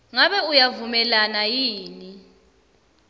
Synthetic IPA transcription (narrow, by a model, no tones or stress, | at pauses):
ŋaɓɛujavumɛlanajiːni